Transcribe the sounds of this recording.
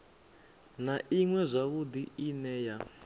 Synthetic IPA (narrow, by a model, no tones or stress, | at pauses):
naʔiŋwɛzʷaβud̪iinɛja